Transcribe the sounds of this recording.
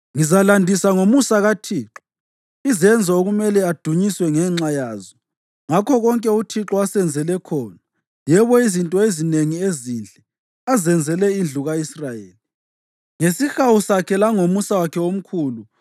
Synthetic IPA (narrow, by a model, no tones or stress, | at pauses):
ŋizalandʱisaŋomusaɣatʰiːǁɔ̥ | izɛnd͡zʱaoɣumɛlɛad̥ʱuɲiswɛŋɛŋ͡ǁajaːzɔ | ŋakʰɔɣɔŋkʼɛutʰiǁɔasɛnd͡zʱɛlɛkʰɔːna | jɛβɔizintʼɔezineŋiezind͡ɮʱɛ | azɛnd͡zʱɛlɛind͡ɮʱuɣaisrajeːli | ŋesixawusakʰɛlaŋomusawakʰɛom̩kʰuːlu